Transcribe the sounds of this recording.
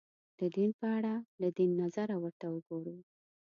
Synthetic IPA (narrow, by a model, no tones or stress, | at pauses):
d̪̥əd̪inpəaɽalad̪inːazaɾawəɾt̪awəɡoɽu